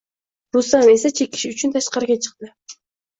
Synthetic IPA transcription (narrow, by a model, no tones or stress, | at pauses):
ɾusamesat͡ʃʰeki̥ʃyt͡ʃynt̪ʰɑʃqɑɾkʲet͡ʃʰɨ̥q̚t̪ɨ